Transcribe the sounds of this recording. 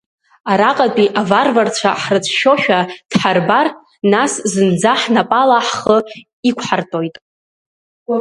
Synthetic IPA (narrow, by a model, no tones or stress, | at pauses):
aɾaqʼapʼiʔavarvart͡st͡ɕʷʰa̰ħrɨt͡sʷʰʃo̞ʃᶣad̥ħarbar | naszɨnd͡zaħnapʼalaħχə | ikʷʰħartʼo̞jtʼ